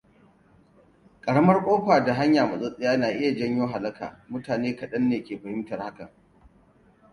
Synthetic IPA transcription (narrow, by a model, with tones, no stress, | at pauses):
kʼɐ˨ɽɐ˦mɐ˦rkʷʼoː˦kʷaː˨da˨ɦa˦ɲjaː˨mɐ˨zʼɐ˦sʼɪ˦jaː˦naː˨ʔɪ˦ja˨d͡ʒɐ˦ɲjoː˦ɦa˨lɐ˦ka̰ː˨mʊ˦taː˨neː˦kɐ˨ɗɐ˦nːeː˨kʲeː˨ɸɐ˨hɪ˦mtɐ˨rha˦ka˨